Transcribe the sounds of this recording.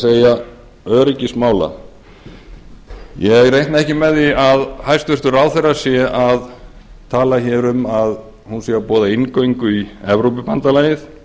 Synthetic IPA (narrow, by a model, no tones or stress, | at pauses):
seːja | œːɾɪcɪsmaːwla̰ | jɛɣrejht̪naɛhcɪmɛðiaðhajst̪vʏst̪ʏɾaːwθejrasjɛʔaðt̪ʰaːlaçɛɾʏmað | hunsɛapɔːðaɪnkoiŋkʏiɛvɾowpɪpant̪alaːjɪθ